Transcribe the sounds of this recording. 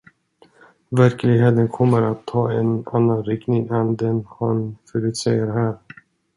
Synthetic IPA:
væɾklɪɡɦeːt̪ənkʰɔmːəɾat̪ʰːɑːɛnanːanɾɪknɪŋɛnd̪ɛnhanfœɾʉ̟ːt̪sɛjəɾɦæːɾ

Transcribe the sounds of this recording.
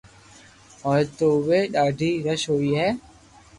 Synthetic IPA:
ɔːɾt̪oːʋeːɗaːɖʱiːɾəʃɦoːiːɦɛː

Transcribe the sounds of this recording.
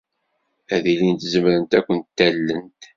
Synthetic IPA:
æðilint̪zəmɾənt̪ækʷːənt̪ːælːənt̪

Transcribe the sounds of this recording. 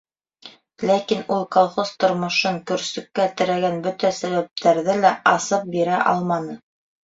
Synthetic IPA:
lækinulˠkolˠχoz̥t̪ŏɾmŏʃɤŋkɵ̆ɾsɵ̆kːæt̪ɘ̆ɾæɡænbɵt̪æsæβæp̚t̪ʰæɾðɘlæɑsɤp̚biɾæʔɑ̰lˠmɑnɤ

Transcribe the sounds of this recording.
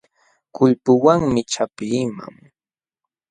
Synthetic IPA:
kʊʎpʊwaŋmɪt͡ʃapiːma̰ŋ

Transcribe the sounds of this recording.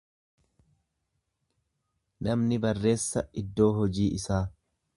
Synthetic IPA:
nɐmnɪbɐrːe̞ːsːɐɪd̪ːo̞ːɦɔd͡ʒiːʔɪsaː

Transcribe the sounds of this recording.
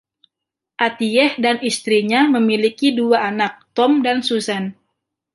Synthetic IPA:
ʔat̪iɛhdanist̪ɾiɲaməmilikiduaːnak̚t̪ɔmdansusan

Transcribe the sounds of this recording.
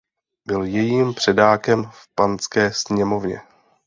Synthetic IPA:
bɪljɛjiːmpr̥ɛdaːkɛmfpant͡skɛːsɲɛmo̞vɲɛ̰

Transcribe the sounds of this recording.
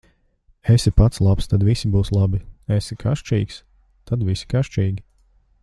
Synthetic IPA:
esipat̪slˠapst̪ad̪visibuːslˠabiesikʰaʃt͡ʃḭːks | t̪ad̪visi̥kaʃt͡ʃiːɡʲi

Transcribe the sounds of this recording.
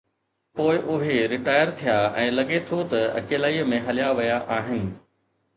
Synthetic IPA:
poːɪʔʊɦeɾɪʈaːɪəɾt̪ʰijaɛ̃ːlɐɠet̪ʰot̪ɐɐ̰keːlaːimẽɦɐljaʋɐjaʔaːɦɪnɪ̆

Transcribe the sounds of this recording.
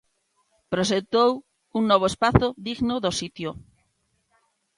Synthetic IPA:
pɾoʃ̬ekt̪ow | uŋnɔβ̞oespaθoðiɣnoðosit̪jo

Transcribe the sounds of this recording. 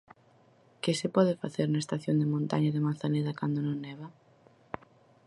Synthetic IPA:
kɪsɪpɔðɪfa̰θeɾnaest̪aθjond̪ɪmõnt̪a̰ɲɐðɪmanθaneðɐkand̪onõŋnɛβɐ

